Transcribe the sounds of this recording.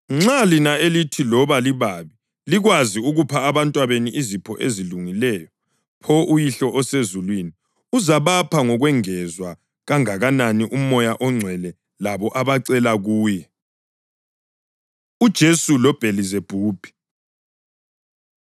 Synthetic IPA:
ŋ͡ǁalinaelitʰilɔβaliβaβi | liɣwaziuɣupʰaːβantʼwaβeniʔizipʰɔʔeziluŋilɛːjɔ | pʰɔʔujiɬɔʔɔsezulwini | uzaβapʰaŋɔɣwɛŋɛzwa | ɣaŋaɣananiʔumɔjaʔɔŋ͡ǀʱwɛlɛ | laβɔʔaβaǀɛlaɣuːjɛ | ud̥ʒ̥ʱesulɔb̥ʱelizeb̥ʱuːb̥ʱi̥

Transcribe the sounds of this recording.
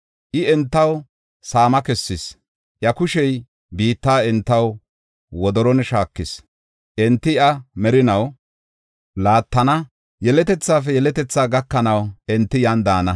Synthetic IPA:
ʔɪɛnt̪ːɐw | saːmɐkɛsːɪs | ʔjɐkʊʃɛj | biːt̪ːaːɪnt̪ːɐw | wɔd̪ɔɾɔnʃaːkːɪs | ʔɛnt̪ːɪɐmɛɾɪnɐw | laːt̪ːɐnɐ | jɛlɛt̪ɛt͡sːaːf̬ɛjɛlɛt̪ɛt͡sːaːɡɐkːɐnɐwɛnt̪ːɪjand̪aːnɐ

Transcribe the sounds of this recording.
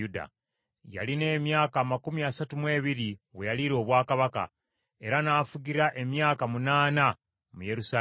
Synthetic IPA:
uda̰ | ja̰line̞ːmjaːkaːmakumiasatumwe̞ːβiɾiβwe̞jaliɾo̞ːβwaːkaβaka̰ | e̞ɾanaːfuɟiɾaʔe̞mjaːkamunaːna | mujeɾusa

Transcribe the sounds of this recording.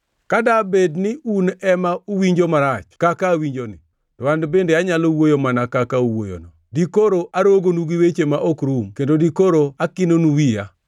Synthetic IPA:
kadabednɪʔunɛmauwiɲd͡ʒomaɾat͡ʃkakawiɲd͡ʒonɪ̰ | tɔwandbendeaɲalowojomanakakauwojo̰nɔdikoɾoʔaɾoɡonuɡiwet͡ʃemaʔokɾumkendodikoɾoakinonuwija̰

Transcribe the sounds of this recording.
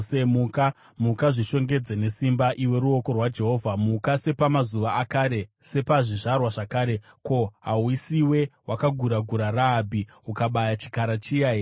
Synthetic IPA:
emuka | mukaʐiʃo̞ŋɡe̞d͡zene̞simbaʔiwe̞ɾuo̞ko̞rwad͡ʒe̞ɦo̞ːvʱamukase̞pamazuʋaakaɾe̞se̞paʐiʐarwaʐakaːɾe̞ | ko̞ɦawisiwe̞wʔakaɡʱuɾaɡʱuɾaraːbʱi | ukaɓajat͡ʃi̥kaɾat͡ʃiai

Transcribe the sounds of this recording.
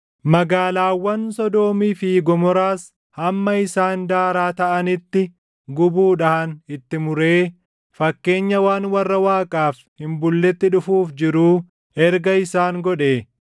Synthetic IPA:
mɐɡaːlaːwːɐnsɔd̪o̞ːmiːfiːɡɔmɔɾaːs | hɐmːɐɪsaːnd̪aːɾaːt̪ɐʔɐnɪt̪ːɪ | ɡʊbuːᶑɐhɐnɪt̪ːɪmʊɾe̞ː | fɐkːe̞ːɲːɐwaːnwɐrːɐwaːkʼaːf | hɪmbʊlːɛt̪ːɪᶑʊfuːfd͡ʒɪɾuː | ɛɾɡɐɪsaːŋɡɔᶑeː

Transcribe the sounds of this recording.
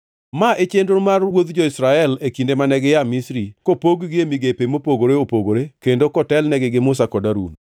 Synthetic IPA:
maʔet͡ʃendomarwod̪d͡ʒɔɪsɾaɛlekindemanɛɡɪjamisɾikopoɡɡɪemiɡepemopoɡoɾeopoɡoɾekendokɔtɛlnɛɡɪɡɪmʊsakɔdaɾṵn

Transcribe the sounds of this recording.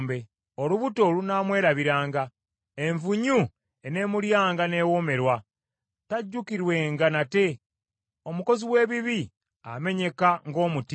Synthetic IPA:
mbe̞ | oluβuto̞lunaːmwe̞ːɾaβiɾaːŋɡa | e̞ɱvuɲu | ene̞ːmuljaːŋɡane̞ːwome̞ɾwa | taɟːukiɾwe̞ŋɡanate̞ | o̞muko̞ziwe̞ːβiβi | ame̞ɲe̞kaŋɡo̞ːmut

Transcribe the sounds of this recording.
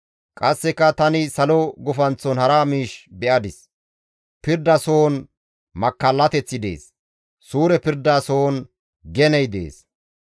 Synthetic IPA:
kʼɐsːɛkːɐt̪ɐnɪsɐlɔɡɔfɐnt͡sːɔnhɐɾaːmiːʃbɛʔɐd̪ɪs | pɪɾd̪ɐso̞ːn | mɐkːɐlːɐt̪ɛt͡sːɪd̪e̞̰ːs | suːɾɛpɪɾd̪asoːn | ɡɛnɛjd̪ḛːs

